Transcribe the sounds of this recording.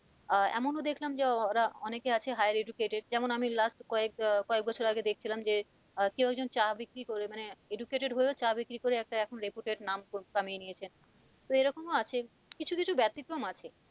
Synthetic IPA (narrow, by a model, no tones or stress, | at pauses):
ɛ̰monod̪ekʰlamd͡ʑeɾaɔnekeat͡ɕʰeɦajaɾeɖukeʈeɖ̚d͡ʑɛmonamilasʈkɔekkɔek̚bɔt͡ɕʰoɾaɡed̪ek̚t͡ɕʰilamd͡ʑe | kewɛɡ̚d͡ʑont͡ɕabikɾikoɾemaneeɖukeʈeɖɦoeot͡ɕabikɾikoɾeɛk̚ʈaɛkʰonɾepuʈeɖnamkokaminijet͡ɕʰen | t̪oeɾɔkomoat͡ɕʰe | kit͡ɕʰukit͡ɕʰubɛt̪ːikɾomat͡ɕʰe